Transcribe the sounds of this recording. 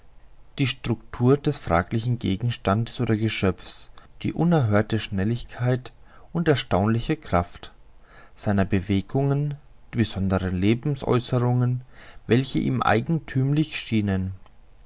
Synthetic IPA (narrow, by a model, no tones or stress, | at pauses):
d̥iːʃtʁ̥ʊktʰuːɐd̥ɛsfʁ̥a̰ːklɪçn̩ɡḛːɡŋ̩ʃtandəsʔoːdɐɡəʃœpp͡fsd̥ḭːʔʊnɛɐɦøːɐtəʃnɛlɪçkʰaɪtʔʊntɛɐʃtaʊnlɪçəkʁ̥aft | z̥aɪnɐbəveːɡʊŋən | d̥iːb̥əzɔndəʁənleːbm̩sʔɔ̰ʏsəʁʊŋənvɛlçəʔḭːmʔa̰ɪɡŋ̩tʰyːmlɪçʃiːnən